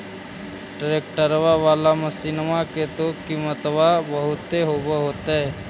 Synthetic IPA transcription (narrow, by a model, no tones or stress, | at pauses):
ʈɾeːkʈəɾʋaʋaːlaməsiːnmaket̪okimət̪ʋabəɦʊt̪ːeɦoːbaɦoːt̪aɦɛː